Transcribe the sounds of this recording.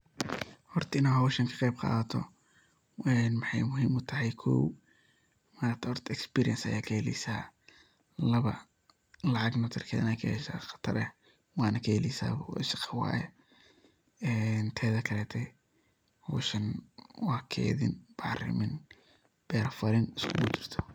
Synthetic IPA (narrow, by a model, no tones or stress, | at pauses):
hɔrt̪ʰɪnɐɦɔwʃɐŋkʰɐ̥qɛjb̚qɑ̰ːðɐt̪ʰɔ̰ | ɛnmɑħɑ̰jmʊɦiːmʊt̪ʰɐɦɛjkʰɔw | maːɾt̪ʰɐɔrt̪ʰɪkspiːɾijɐnsɐ̰jaːkʰɐɛlḭsaː | lɐβɐ̰ | lɑʕɑɡnɐt̪ʰɪrkʰɛːðɐnɛkʰɐhɛʃa̰ːχɐ̥t̪ʰɐɾɛ | wɑːnɐkʰɛɛlijsa̰ːbɐ̰ɪsɪ̥qɐwɑ̰ːjɛ̰ | ɛːnt̪ʰɛːðɐkʰɐlɛːt̪ʰɛ | hɔ̰ːʃɐnwɑːkʰɛ̰ːðɪ̰nb̥ɑʕrɪ̰mɪn | b̥ɛːɾfɐɾɪnɪskʰʊbʊd̪ɪrt̪ʰɔ̥